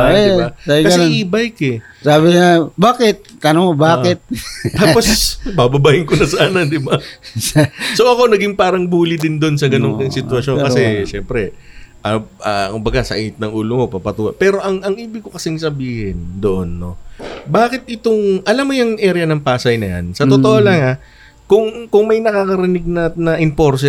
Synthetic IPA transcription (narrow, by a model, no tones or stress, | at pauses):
ɛɪbasabɪkɐsnɛʔiːbɐjkɛ | saːbɪŋabaːkɪt̪̚t̪ɐnoŋobaːkɪt̪̚t̪aːposbabɐbaːhɪŋkonɐsaːnɐd̪ɪba | soʔɐko̞nɐɡɪŋpaːɾɐŋbuːlɪd̪ɪnd̪o̞nsɐɡɐnoŋkɐŋsɪt̪wɐʃo̞nkɐsɛʃɛmpɾɛʔɐʔɐ̰kʊmbɐɡasɐ̰ʔɪt̪̚nɐŋʔuːlomo̞papɐt̪uːhɐ̰pɛːɾo̞ʔɐŋɐŋʔiːbɪkokɐsɪŋsɐbiːhɪnd̪oʔo̞nːo̞̰baːkɪt̪̚ʔɪt̪oŋʔɐlamːojɐŋʔɛːɾjɐnɐŋpaːsɐjnɐja̰nsɐt̪ot̪oʔolɐŋa | kʊŋkʊŋmɐjnɐkaːkɐɾɪnɪɡ̚nɐnɐʔɪnpo̞ɾs̬ɛ